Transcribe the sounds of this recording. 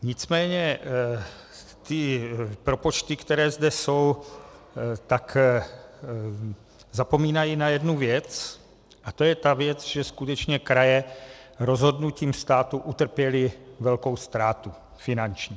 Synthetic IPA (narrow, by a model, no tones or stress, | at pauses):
ɲɪt͡smɛːɲɛ | t̪ɪpɾo̞po̞t͡ʃt̪ɪkt̪ɛɾɛːzdɛso̞w | t̪ak | zapo̞miːnajinajɛdnuvjɛt͡s | ʔat̪ojɛt̪avjɛt͡sʒɛskut̪ɛt͡ʃɲɛkɾajɛɾo̞zɦo̞dnuciːmst̪aːt̪uʔut̪r̩pjɛlɪvɛlko̞wst̪ɾaːt̪u | fɪnant͡ʃɲi